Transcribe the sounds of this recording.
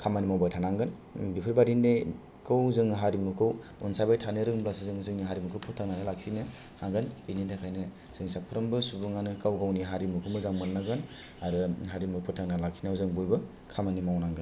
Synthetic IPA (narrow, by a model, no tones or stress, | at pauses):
kʰamanimawbajtʰanaŋɡɯn | bipʰɯɾbaɾinde | kʰɯwzɯŋɦaɾimukʰɯw | ɔnsabajtʰanɯɾɯŋblasizɯŋzɯŋniɦaɾimukʰɯwpʰɔtʰaŋnanɯlakʰinɯhaɡɯninidakʰajnɯ | z̥ɯŋsapʰɯɾɯmbɯsubɯŋanɯkawɡawniɦaɾimukʰɯwmɯzaŋmɯnːaɡɯn | aɾɯɦaɾimɯpʰɔtʰːaŋnalakʰːinawzɯŋbujbɯ | kʰamanimawnaŋɡɯn